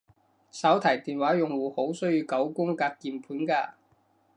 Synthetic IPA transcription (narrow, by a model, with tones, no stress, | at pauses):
sɐ˨˥wt̪ʰɐ˨˩jt̪iː˨nwaː˨˥jʊ˨ŋwuː˨˩ho˨˥wsɵ˥ɥjiː˧kɐ˨˥wkʊ˥ŋkaː˧t̚kiː˨˧mpʰuː˨˥nkaː˧